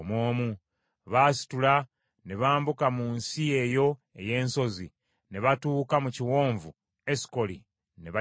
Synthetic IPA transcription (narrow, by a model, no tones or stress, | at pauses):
moːmu | βaːsi̥tula | ne̞βaːmbukamunsie̞jo̞ | e̞̰je̞ːnso̞zi | ne̞βatuːkamuciwo̞ːɱvu | esi̥ko̞lḭ | ne̞βa